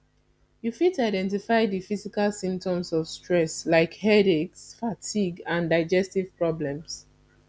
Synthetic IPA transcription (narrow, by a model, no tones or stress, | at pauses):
jufitaɪdɛ̃ntifaɪdifizikalsĩmp̚tɔ̃msɔv̥stɹɛslaɪkhɛɾeksfatʰiɡãndaɪd͡ʒɛstiv̥pɹɔblɛ̃ms